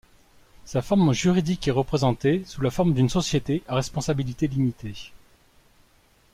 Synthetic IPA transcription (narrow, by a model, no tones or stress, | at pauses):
safɔʁmʒyʁid̪ikɛʁəpχezɑ̃t̪esulafɔʁmd̪ynsɔsjet̪eʔaʁɛspɔ̃sabilit̪elimit̪ʰe